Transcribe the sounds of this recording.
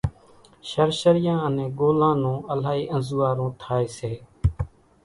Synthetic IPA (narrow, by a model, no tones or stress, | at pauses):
ʃəɾʃəɾɪjãːənẽːɡoːlãːnõːəlaːɦiːʔənzuːaːɾõːt̪ʰaːeːseː